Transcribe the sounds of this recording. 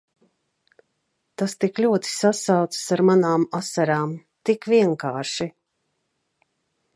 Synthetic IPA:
t̪ast̪iklʲuɔt̪i̥sasawt̪ssaɾmanaːmasaɾaːm | t̪ikvʲiɛŋkaːɾʃi

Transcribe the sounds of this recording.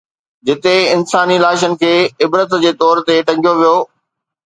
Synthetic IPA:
d͡ʑɪt̪eɪnsaːnilaːʃ̬ənɪ̆kʰeːɪbɾət̪d͡ʑeːt̪ɔːɾt̪eʈɐ̃ŋɡʱijoʋijoː

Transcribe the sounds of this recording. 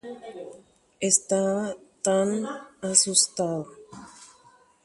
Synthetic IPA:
est̪aβt̪anasust̪aðo

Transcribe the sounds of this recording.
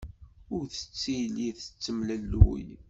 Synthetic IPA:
ʊɾθə̥t͡sːijliθə̥t͡sːəmlælːwṵj

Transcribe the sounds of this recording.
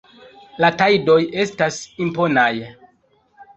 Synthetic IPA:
latajdo̞je̞stasimpo̞naj

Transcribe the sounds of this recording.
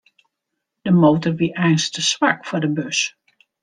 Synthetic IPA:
d̥əmowtɔɹʋiʔɛjnstəsʋaɹkfʊːɹdəbøs

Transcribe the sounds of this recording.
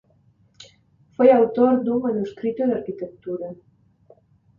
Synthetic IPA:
fojawt̪oɾd̪uŋmanuskɾit̪od̪aɾkit̪ək̚t̪uɾə

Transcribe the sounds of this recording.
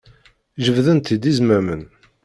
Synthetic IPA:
ʒəvðənt̪id̪izmæmən

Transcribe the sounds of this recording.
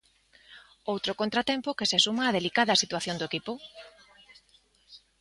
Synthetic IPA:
owt̪ɾokont̪ɾat̪ɛmpʊkesesumaːðelikaðɐsit̪waθjond̪oekipʊ

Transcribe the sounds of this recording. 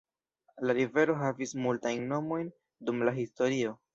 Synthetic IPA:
laɾive̞ɾo̞ɦavismultajnːo̞mo̞jn | dumlaɦisto̞ɾio̞

